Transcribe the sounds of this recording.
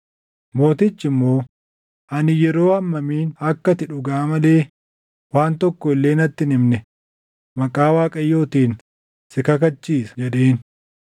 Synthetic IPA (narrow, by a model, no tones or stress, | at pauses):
mo̞ːt̪ɪt͡ʃːɪmːo̞ː | ʔɐnɪjɛɾo̞ːɐmːɐmiːnɐkːɐt̪ɪᶑʊɡaːmɐle̞ː | waːnt̪ɔkːɔɪlːe̞ːnɐt̪ːɪnɪmnɛ | mɐkʼaːwaːkʼɐjːo̞ːt̪iːn | sɪkɐkɐt͡ʃːiːsɐ̥d͡ʒɛᶑeːn